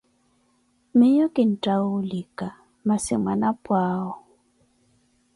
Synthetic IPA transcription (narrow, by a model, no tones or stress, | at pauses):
mɪjokʼɪn̩tʼaʊlikʼa | masɪ̰mwanapʼwaːɔ